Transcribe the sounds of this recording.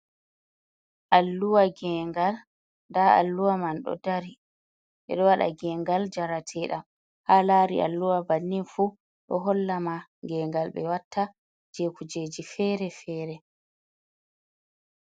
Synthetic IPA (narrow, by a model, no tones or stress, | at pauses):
ʔalːuwaɡɛŋɡal | ndaa̰lːuwamanɗɔ̰daɾi | ɓɛ̰ɗɔwaɗa̰ɡɛŋɡald͡ʒaɾatʰɛːɗam | halaɾḭʔa̰lːuwabanːinfu | ɗɔ̰ɦɔlːamaŋɡɛŋɡalɓɛ̰watːa | d͡ʒekʰud͡ʒeːd͡ʒifɛɾɛfɛːɾɛ